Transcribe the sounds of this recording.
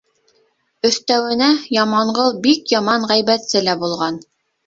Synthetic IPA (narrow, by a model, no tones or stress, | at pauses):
ɵ̆θt̪æwɘ̆næjɑmɑɴɢɤlˠbikjɑmɑɴʁæjβæt̪sɘlæbulˠʁɑn